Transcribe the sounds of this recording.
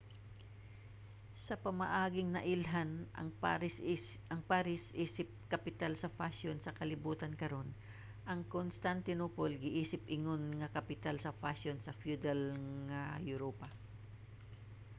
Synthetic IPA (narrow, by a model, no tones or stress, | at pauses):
sɐpɐmɐʔaːɡɪŋnɐʔɪlɦanʔɐ̰ŋaɪs | ɐŋpaɾɪsʔiːsɪp̚kɐpɪt̪alsɐfasonsɐkɐlɪbuːt̪ɐnkɐɾo̞n | ʔɐŋkonst̪ant̪ɪnoːpolɡɪʔiːsɪpʔɪŋonŋɐkɐpɪt̪alsɐfasonsɐfjud̪ɛlŋɐjʊɾoːpɐ